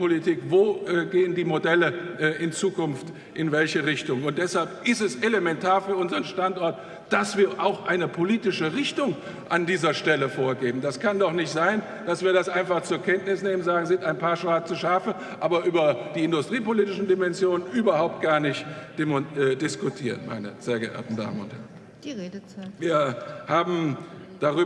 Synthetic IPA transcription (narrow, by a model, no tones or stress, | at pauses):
politʰiːkvoːɛɡeːəndiːmodɛləʔʔɪnt͡suːkʊnft | ʔɪnvɛlçəʁɪçtʊŋʊnt̚d̥ɛshalp̚ʔɪstɛselemɛntʰaːɐfyːɐʔʊnzəʁənʃtantʔɔɐt | d̥asv̥iːɐʔaʊxʔaɪnəpʰoliːtɪʃəʁɪçtʊŋ | ʔandiːzɐʃtɛləfoːɐɡeːbm̩daskʰandɔχnɪçtz̥aɪn | d̥asv̥iːɐdasʔaɪnfaχt͡suːɐkʰɛntnɪsneːmənzaːɡŋ̩zɪntaɪnpʰaːɐʃʁaːt͡suʃaːfə | ʔaːbɐʔyːbɐd̥iːɪndʊstʁ̥iːpoliːtɪʃn̩dimɛnzjoːnənʔyːbɐhaʊp̚t̚ɡ̥aːɐnɪçtd̥emɛdɪskʊtʰiːɐənma̰ɪnə̰z̥eːɐɡəʔɛ̰ːɐtn̩da̰ːmənʊ̰nthɛ̰ɐn | d̥iʁeːdət͡sːviːɐhaːbm̩d̥aʁyː